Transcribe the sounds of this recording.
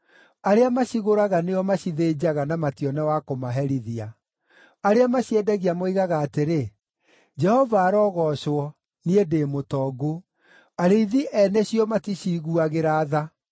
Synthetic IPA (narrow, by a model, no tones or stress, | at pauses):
aɾeamaɕiɣoɾaɣaneɔmaɕiðed͡ʑaɣanamatiɔnɛwakomaɦɛɾiðia | aɾeamaɕiɛdaɣiamoiɣaɣaːteɾe | d͡ʒɛhɔvaːɾɔːɣɔɕwɔ | niedeːmotɔɡo | aɾeiðiʔɛnɛɕiɔmatiɕiɣuaɣeɾaːða